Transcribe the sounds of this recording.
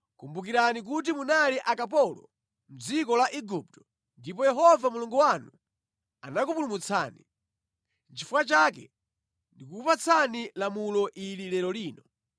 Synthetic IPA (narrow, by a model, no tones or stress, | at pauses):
kumbuk̬iɾanik̬ut̬imunaliʔakap̬ɔlɔ̰ | m̩d͡zikɔlaʔiɡup̚tɔ̥ | ndipɔjɛɦɔvamuluŋɡuwanu | anakupulumut͡sʰa̰ːni | nt͡ʃifuwat͡ʃakɛ | ndikukupat͡sʰanilamulɔʔililɛɾɔliːnɔ